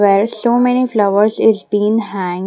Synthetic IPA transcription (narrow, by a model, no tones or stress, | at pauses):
ʋeːɾsoːmɛniflʌʋəɾzɪzbĩːnɦæ̃ŋ